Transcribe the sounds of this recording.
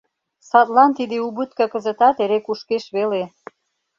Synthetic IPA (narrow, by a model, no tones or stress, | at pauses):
sɑt̪lɑnt̪id̪eubut̪kɤkə̆zə̆t̪ɑt̪eɾekuʃkeʃβele